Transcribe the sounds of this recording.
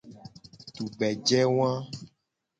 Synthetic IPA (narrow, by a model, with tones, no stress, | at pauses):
t̪u˨bɛ˨d͡ʒɛ˦wã˦